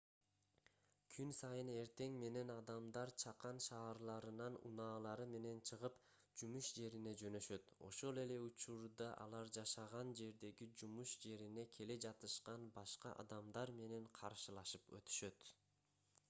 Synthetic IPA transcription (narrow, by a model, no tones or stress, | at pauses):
kʰynsɑjɯne̞ɾt̪e̞ŋme̞ne̞nɑd̪ɑmd̪ɑɾt͡ʃʰɑqɑnʃɑːɾlˠɑɾɯnɑnṵnɑːlˠɑɾɯme̞ne̞nt͡ʃʰɯʁɯp | d͡ʒumuʃd͡ʒe̞ɾine̞d͡ʒø̞nø̞ʃø̞t̪o̞̰ʃo̞lˠe̞le̞ut͡ʃuɾd̪ɑʔɑ̰lˠɑɾd͡ʒɑʃɑʁɑnd͡ʒe̞ɾd̪e̞ɡid͡ʒumuʃd͡ʒe̞ɾine̞kʰe̞le̞d͡ʒɑt̪ɯʃqɑnbɑʃqɑ̰ʔɑ̰d̪ɑmd̪ɑɾme̞ne̞ɴqʰɑɾʃɯlˠɑʃɯpø̞̰t̪y̥ʃø̞t̪